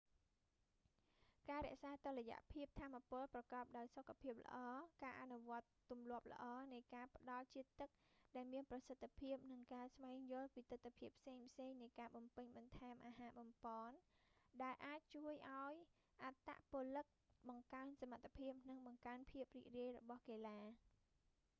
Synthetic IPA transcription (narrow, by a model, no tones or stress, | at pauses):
kaːɾɛ̆əʔsaːt̪ŏleja̰ʔpʰiəp̚t̪ʰaːmːapŏəlprɑkɑːp̚ɗaɔjsokʰːapʰiəp̚lə̰̆ʔɑːkaːʔanuʋŏət̪ːumlʊ̆əp̚lə̰̆ʔɑːnɨjkaːpə̆ɗɑlt͡ɕiət̪ːɨk̚ɗaɛlmiənprɑsət̪ʰːpʰiəp̚nɨŋkaːsʋaɛŋjʊ̆əlpiːt̪ɨt̪ʰːpʰiəpʰːseːŋpʰseːŋnɨjkaːɓɑmpɨɲɓɑnt̪ʰaɛmʔaːɦaːɓɑmpɑːnɗaɛlʔaːc̚t͡ɕuəjʔaɔj | ʔat̪ːa̰ʔpŏəlɨk̚ɓɑŋkaənsamat̪ʰːapʰiəp̚nɨŋɓɑŋkaənpʰiəp̚rḭːriəjrɔɓɑhkeːlaː